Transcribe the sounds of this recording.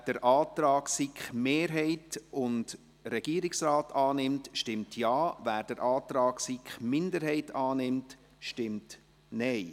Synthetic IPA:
d̥əɾʔɑːt̪ɾɑːksikχmeːɾɦɛɪtʊnd | ɾɛɡ̥iːəɾiksrɑːtɑːnɪmtʃtɪmtʰjɑːvæːɾd̥əɾʔɑːtɾɑːksikχmɪndəɾhɛɪtɑːnɪmt | ʃtɪmt | nɛɪ

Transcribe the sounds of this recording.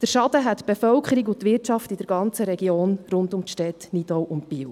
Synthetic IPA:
d̥əɾʃɑd̥̪əɦɛt̪b̥efœlkχəɾiɡʊt̪ʋɪrtt͡ʃɑftidəɾɡɑnt͡səɾɛɡioːnrʊndʊmtʃtɛt̪nidɔwʔʊntpiw

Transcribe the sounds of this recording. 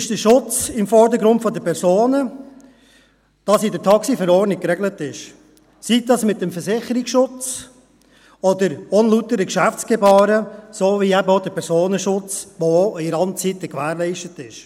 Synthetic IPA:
ɪʃd̥əʃʊt͡sɪmfɔɾdəɾɡɾʊntfɔdəpʰɛɾsoːnə | d̥ɑsɪdətʰɑksifəɾɔːɾnɪk̚kːɾɛɡlətɪʃ | sidɑsmɪt̚dɛmfəɾsɪχəɾɪksʃʊt͡s | ɔdəɾɔnlutəɾəkʃæft͡sɡ̥ɛbɑːɾəsoːviɛbəoʊdəpʰɛɾsoːnəʃʊt͡sʋoiɾɑnt͡sitəkʋæːɾlɛɪʃtətɪʃ

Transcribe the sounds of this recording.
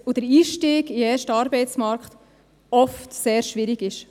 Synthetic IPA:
od̥əɾiːʃtiːɡiɛːɾʃtəɑːɾbɛɪt͡smɑɾkt | ɔftseːɾʃʋɪɾiɡɪʃ

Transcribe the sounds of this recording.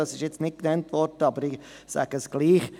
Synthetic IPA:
ɑsɪʃjɛt͡stnɪt̚knɛntvɔɾdəɑbəɾɪsæ̰ːɡ̥əsɡ̥liːχ

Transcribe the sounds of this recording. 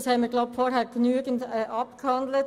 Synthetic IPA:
shɛməɡlaʊbpfɔɾɦɛːɾɡ̥nyəɡəndɛːʔɑpkhɑnd̪lət

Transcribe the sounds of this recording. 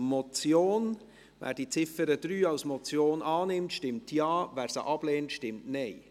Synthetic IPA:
mɔt͡sjoːn | væ̰ːɾd̥it͡sɪfəɾəd̥ɾyːɑʊsmɔt͡sjoːnʔɑːnɪmtʃtɪmtʰjɑːvæːɾsə̰ʔɑb̥leːntʃtɪmtneɪ

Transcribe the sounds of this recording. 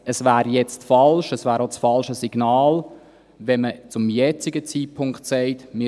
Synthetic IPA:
əsvæːɾjɛt͡stfɑlʃəsvæːɾot͡sfɑlʃəsiɡ̥naːl | vɛmət͡sʊmjɛt͡sɪɡət͡siːt̚pʰʊŋktsɛɪtmɪ

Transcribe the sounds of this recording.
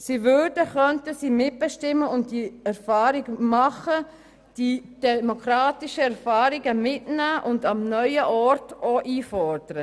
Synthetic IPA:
sivʏɾdəχœntəsiːmɪt̚b̥ɛʃtɪmːəʊnt̚diɛɾfɑːɾɪɡmɑχə | d̥id̥ɛmokɾɑːtiʃəɛɾfɑːɾiɡəmɪtnæːʔʊndɑmnœʏəʔɔɾtoʔiːfɔɾd̥əɾə

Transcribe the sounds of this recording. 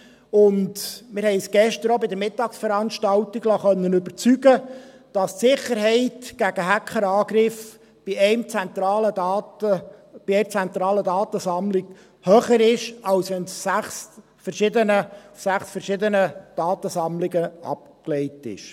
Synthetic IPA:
ʊndmɪɾhɛɪsɡ̥ɛʃtəɾobɪd̪əɾmɪtɑːksfəɾɑnʃtɑltiɡlɑχœnːənɵbəɾt͡syɡə | d̥ɑstsɪχəɾhɛɪtɡ̥æɡ̥əɦækχəɾɑːɡɾɪf | b̥ɪɛɪmt͡sænt̪ɾɑːləɑəb̥iɛɾt͡sænt̪ɾɑːlədɑːtəsɑmlɪɡ̥ | hœχəɾɪʃɑwsʋɛnsːæχs | fəɾʃɪd̪ənəsæχsfəɾʃɪd̪ənəd̥ɑːtəsɑmlɪɡəʔɑ̰p̚ | klɛɪtɪ̰ʃ

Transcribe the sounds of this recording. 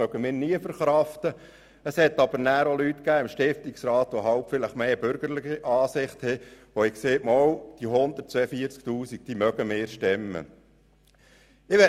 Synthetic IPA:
œɡ̥əmɪːɾniəfəɾχɾɑft̪ə | əshɛt̪ːɑb̥əɾnæːɾolyt̪kæːɪmʃtɪft̪ɪksɾɑːt̪ʋoɦɑwpfɪləχmeːb̥ʏɾɡ̥əɾlɪχiʔɑːsɪχt̪hɛʋoɪkseːmɔwd̥iɦʊnd̪ətt͡sʋɛːəfiəɾt͡sk̚tuːsik̚d̥iːmœɡəmɪːɾʃtɪmːə̰ | ɪʋɛ

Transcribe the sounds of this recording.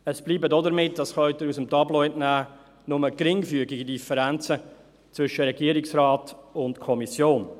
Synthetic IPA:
əsb̥liːbədɔdəɾmɪtːd̥ɑsχœʏtəɾusəmtʰɑblɔɪtnæː | nʊməkɾɪŋfyəɡɪɡidifəɾænt͡sə | t͡sʋvʏʃəɾɛɡiəɾɪksrɑːtʊntkʰɔmisjoːn

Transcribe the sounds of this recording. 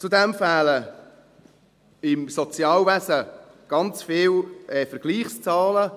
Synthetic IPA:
t͡sud̪ɛmfæːlə | ɪmsɔt͡sjɑːlvæsə | ɡ̥ɑnt͡sfɪːlɛfəɾɡ̥liːχst͡sɑːlə

